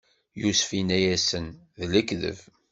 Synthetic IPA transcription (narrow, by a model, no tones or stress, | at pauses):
jusfinæjæsən | ðləkðə̰v